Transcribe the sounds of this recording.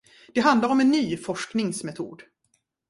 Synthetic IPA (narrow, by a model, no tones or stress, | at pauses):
d̪̥ɛɦand̪laɾɔmɛnːyːfɔʂknɪŋsmɛt̪ʰṵːd̪